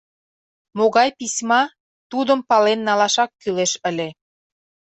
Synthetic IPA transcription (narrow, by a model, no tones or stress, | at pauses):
moɣɑjpisʲmɑ | t̪ud̪əmpɑlenːɑlɑʃɑkːyleʃəlʲe